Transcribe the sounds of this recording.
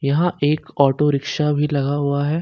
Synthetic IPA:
jɐɦãʔeːkɔːʈoɾɪkʃabʱilɐɡaɦuaɦɛː

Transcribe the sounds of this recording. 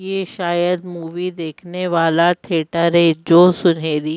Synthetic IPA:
jeːʃaːjəd̪muːʋid̪eːkʰneʋaːlaʈʰeːʈəɾɦɛd͡ʒoːsʊnɦeːɾi

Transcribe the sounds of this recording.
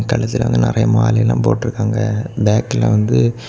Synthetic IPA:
kɐɭɐsɪlʋɐ̰ŋɡ̪ɐnɪɾɐjɐmaːlɛjɪlːãːmpo̰ːʈːɪɾɯkːaːŋɡɐbeːkɪlɐ̰ʋɐnd̪ɯ

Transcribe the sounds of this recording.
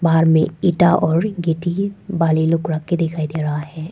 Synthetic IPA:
baːɦəɾmẽɪʈaʔɔːɾɡeːʈibaːlilʊkɾakːed̪ɪkʰaːid̪eːɾɐɦaɦɛː

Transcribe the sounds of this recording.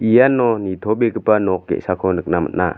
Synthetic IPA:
ʔijanːɔnit̪ʰɔbekɯpanɔk̚ɡɛ̰ʔsakʰɔnɯk̚nama̰ʔna̰

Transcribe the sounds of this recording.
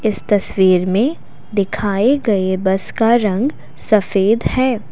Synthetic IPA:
ɪst̪ɐswiːɾmẽ | d̪ɪkʰaːeɡɐebɐskaɾɐ̃ŋɡ | sɐfeːd̪hɛː

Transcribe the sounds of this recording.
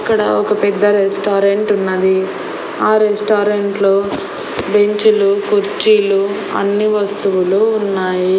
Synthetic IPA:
ɐkːɐɽɐɔkɐpɛd̪ːɐɾesʈaːɾeɳʈunːɐd̪i | aːɾesʈaːɾeɳʈloː | be̞ɲt͡ʃulukuɾt͡ʃiːlu | ɐ̰nːiʋɐst̪uʋuluːnːaːji

